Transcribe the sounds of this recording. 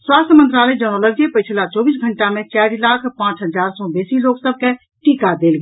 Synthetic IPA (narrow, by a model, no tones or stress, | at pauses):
swast̪ʰjəmənt̪ɾaləd͡ʒəñələɡd͡ʒepəjt͡ʃʰlat͡ʃɔːbiːsɡʱəɳʈamẽt͡ʃaɾilakʰpãːt͡ʃɦəd͡ʒaɾsɔbesiloːksəb̚ʱke | ʈikad̪eːlɡe